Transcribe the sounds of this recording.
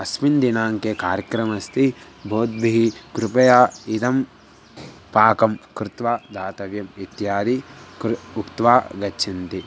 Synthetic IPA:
ɐsmind̪inaːŋkekaːɾjɐkɾɐmɐst̪ʰi | bʱoːd̪̚biɦikɾupɐjaːid̪ɐm | paːkɐmkɾɪt̪ʋaːd̪ʱaːt̪ɐʋjɐmit̪jaːd̪ikukt̪ʋaːɡɐt͡ʃʰint̪i

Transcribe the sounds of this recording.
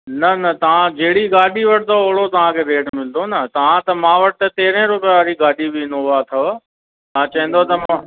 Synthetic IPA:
nɐnɐt̪ɐʋ̤ãd͡ʑeːɽiɡaːɗiʋɐʈɪt̪ʰoʊɦɪɽot̪ɐʋ̤ãkʰeːɾeːɖmɪld̪onɐt̪ɐʋ̤ãt̪ɐmãːʋɐʈɪt̪ɐt̪eːɾẽɾʊpjaɾiɡaːɗibɪɪnoʋat̪ʰɐ | mãːt͡ɕɐɦə̃n̆d̪ot̪ɐmã

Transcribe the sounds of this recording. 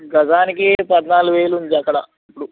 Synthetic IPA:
ɡɐd͡ʒ̪aːnikipɐd̪naːluʋeːlund͡ʒɐkːɐɽɐ̰ | ipːuɽu

